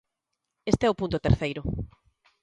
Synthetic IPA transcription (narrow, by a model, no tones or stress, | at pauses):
est̪eɛʊpunt̪ʊt̪eɾθejɾʊ